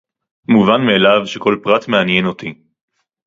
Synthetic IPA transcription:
muvanmeːlavʃe̞ko̞lpʁatmeanje̞no̞ti

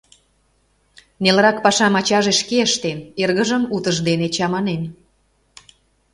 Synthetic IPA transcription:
nelɾɑkpɑʃɑmɑt͡ɕɑʒeʃkeəʃt̪enerɣə̆ʒə̆mut̪əʒd̪enet͡ɕɑmɑnen

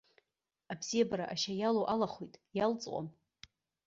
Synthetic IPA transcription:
abz̥ijabaɾa̰ʔaʃajalowʔalaχʷojtʼjalt͡sʼqʷʼa̰m

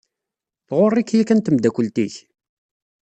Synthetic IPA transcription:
θʁorˤːikjækænt̪əmd̪ækʷəlt̪iç

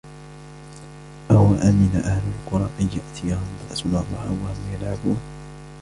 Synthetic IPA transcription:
ʔawaʔamɪnaʔahlʊlqʊɾˤɑːʔanjaʔt̪ʰɪjahʊmbaʔsʊnɑrˤːɑhħawahʊmjalʕabuːn

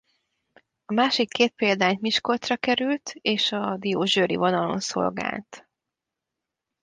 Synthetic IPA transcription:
ɒmaːʃikʰːeːt̪̚peːld̪aːɲt̪miʃkot̪rɒkɛɾylt̪eːʃɒd̪ijoːʒøːɾḭvonɒlo̞̰nso̞̰lɡa̰ːlt̪

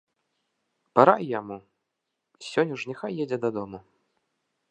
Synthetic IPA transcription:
paɾajːamu | sʲɔnʲːuʂnʲɛxajːɛd͡zʲɛd̪ɐd̪ɔmu

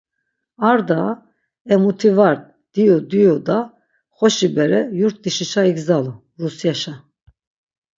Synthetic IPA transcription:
aɾd̪a | ɛmut̪ʰivaɾd̪̚ | d̪̥ijud̪ijud̪a | χɔʃibɛɾɛjuɾt̪̚ʰd̪iʃiʃaiɡzalu | rusjaʃa

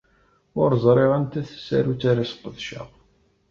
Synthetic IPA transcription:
ʊɾzˤɾˤeʁænt̪æθə̥sːæ̰ɾut͡sːaɾasqːəðʃæ̰ʁ

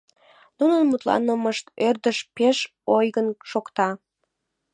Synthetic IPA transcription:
nunənmut̪lɑ̰nəməʃt̪ørd̪əʃpeʃ | ojɣənʃokt̪ɑ

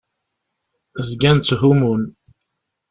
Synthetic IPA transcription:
zɡænt͡s̪ːɦumun

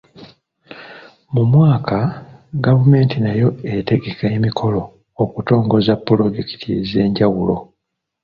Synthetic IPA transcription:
mumwaːkʰaɡavume̞ːntinajo̞ete̞ɡe̞kemikʰo̞lo̞ː | kuto̞ːŋɡo̞zapːlo̞ɟeki̥tʰḭze̞ːɲɟawulo̞̰

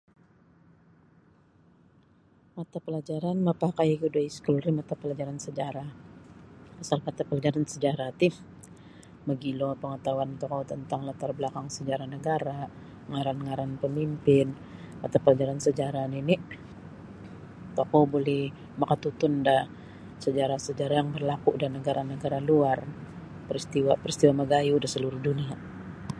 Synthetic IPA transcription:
mat̪apəlad͡ʒaɾanməpakajkudaiskulrimat̪apəlad͡ʒaɾansəd͡ʒaɾa | pasalmat̪apəlad͡ʒaɾansəd͡ʒaɾat̪i | məɡilopəŋət̪awant̪ɔkowt̪ənt̪aŋlət̪arbəlakaŋsəd͡ʒaɾahnəɡaɾa | əŋaɾanŋaɾanpəmimpɪn | at̪aplad͡ʒaɾansəd͡ʒaɾanini | t̪okobolɛh | makat̪ut̪ʊndah | səd͡ʒaɾahsəd͡ʒaɾajaŋbərlakuʔdanəɡaɾanəɡaɾaluar | pəɾist̪iwapəɾist̪iwaməɡajudasəluɾuhdunia

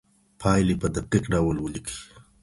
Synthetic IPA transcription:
pʰɑjlepəd̪aʈikɖawəlwəlikʰi̥

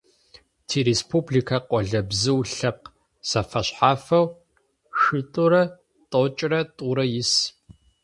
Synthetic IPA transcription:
tʰiːɾeːspʰubɮikʰaqʷɔɮɐbzɨwɬɐp̚q | sɐfɐɕħaːfɐw | xɨtʼʊɾɐ | tʼot͡ʃʼrɐtʼuɾɐjɪs

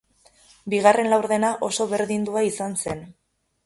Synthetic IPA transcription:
biɣare̞nlawɾðe̞naʔo̞so̞βe̞ɾðind̪uaisanse̞n

